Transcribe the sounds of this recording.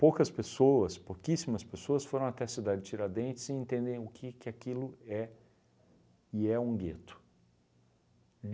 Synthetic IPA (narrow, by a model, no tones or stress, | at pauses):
powkɐspesoɐspokisimɐspesoɐsfoɾɐ̃w̃at̪ɛɐsid̪ad͡ʒɪt͡ʃiɾaɾd̪ẽnt͡ʃɪ̥zɪẽnt̪ẽnd̪ẽj̃ʊkʰɪkɪakilʊɛ | iɛũɡet̪ʊ̥